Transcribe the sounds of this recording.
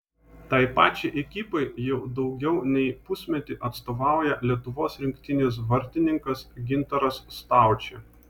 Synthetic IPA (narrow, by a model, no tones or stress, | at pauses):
t̪ɐɪpɑ̰ːt͡ʃʲeʔɛkʲipɐɪjɛʊd̪ɒʊɡʲɛʊnʲɛɪpʊsʲmʲɛt̪ʲɪʔɐt̪st̪oːʋɑˑʊjɛlʲiɛt̪ʊʋoːsɾʲɪŋʲkʲt̪ʲɪnʲɪs̬ʋɐɾʲt̪ʲɪnʲɪŋkɐsɡʲɪnt̪ɐɾɐsːt̪ɑˑʊt͡ʃʲe